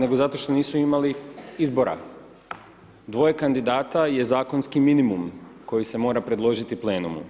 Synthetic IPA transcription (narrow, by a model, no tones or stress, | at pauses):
ne̞ɡo̞zat̪o̞ʃt̪o̞niːsuimaliizbo̞ɾa̰ | d̪ʋo̞je̞kand̪id̪aːt̪aje̞zaːko̞nskiminimumko̞jise̞mo̞ːɾapɾe̞d̪lˠo̞ʒit̪iple̞ːnumṵ